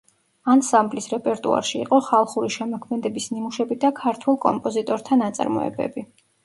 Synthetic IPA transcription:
ansamblisɾɛpʼɛɾt̪ʼṵa̰ɾʃḭːqʼɔχalˠχuɾiʃɛmɔkʰmɛd̪ɛbisnimuʃɛbid̪akʰaɾt̪ʰwɛlˠkʼɔ̰mpʼɔzit̪ʼɔɾt̪ʰanat̪sʼa̰ɾmɔ̰ɛ̰bɛ̰bi

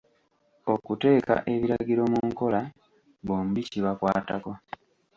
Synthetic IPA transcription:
o̞kute̞ːka̰ʔe̞βiɾaɟiɾo̞muŋkola | boːmuβiciβakwa̰ːtako

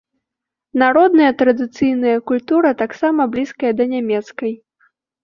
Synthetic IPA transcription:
naɾɔd̪nɐjɐt̪ɾɐd̪ɨt̪sɨjnɐjɐkulʲt̪uɾɐt̪aksamɐblʲiskɐjɐd̪ɐnʲamʲɛt̪skɐj

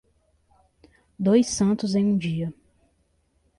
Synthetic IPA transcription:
d̪ojsɐ̃nt̪ʊzẽj̃ũd͡ʒiɐ

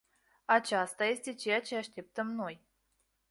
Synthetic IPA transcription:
at͡ʃast̪aje̞st̪e̞t͡ʃe̞jat͡ʃe̞aʃt̪e̞p̚t̪əmno̞j

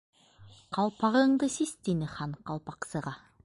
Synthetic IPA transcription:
qɑlˠpɑʁɤ̆ɴd̪ɤsist̪inɘχɑnqɑlˠpɑqsɤ̆ʁɑ

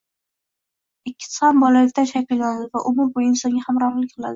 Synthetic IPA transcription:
ɪkʲʰːɪ̥sɪhambɒlalɪkʲt̪ʰanʃakʰʲɪlˠɡʲanad̪ɪvaʔʊmʊɾbʊɪnsɒŋɡʲahamɾɒɾlɪkʲqʰɨlˠa̰d̪ɪ

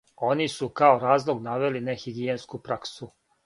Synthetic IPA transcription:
o̞nisukaoɾaːzlˠoɡnaʋelinexiɡienskupɾaksu

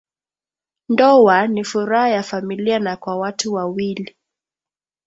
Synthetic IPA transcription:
ndɔwanifuɾahajafamilianakwawatuwawili

